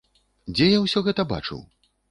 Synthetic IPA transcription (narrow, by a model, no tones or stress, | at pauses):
d͡zʲɛjawsʲɔɣɛt̪ɐba̰t͡ʂɨ̰w